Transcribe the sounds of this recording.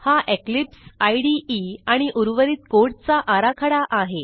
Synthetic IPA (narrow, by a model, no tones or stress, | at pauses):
haʔeklipsajɽiiaɽ̃iʔuɾʋəɾiːt̪̚koɽt͡saʔaɾakʰaɽaʔaɦe